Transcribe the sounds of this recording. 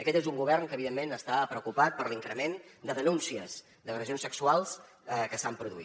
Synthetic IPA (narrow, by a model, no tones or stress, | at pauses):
əkɛt̪ezuŋɡuβ̞ɛrnkəːβiðemːenəst̪apɾəukupat̪̚pəɾliŋkɾəmend̪əðənunsiəz | d̪əɣɾəzionsəksualˠs | kəsampɾuðuḭ